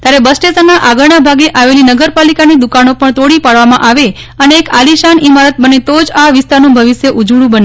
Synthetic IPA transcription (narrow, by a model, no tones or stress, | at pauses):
t̪jaɾebəsʈesənːaʔaɡəɭɳabʱaɡeʔaʋelinəɡəɾpalikanid̪ukanopəɳt̪oɽipaɽʋamãʔaʋe | əneːkaliʃanimaɾət̪̚bənet̪od͡ʒaʋɪst̪aɾnũbʱəʋiʃjeʔud͡ʒuɽũbəne